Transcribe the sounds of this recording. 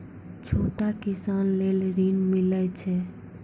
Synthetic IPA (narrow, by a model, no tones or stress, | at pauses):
t͡ʃʰoʈakisanlelɾinmilət͡ʃʰɛ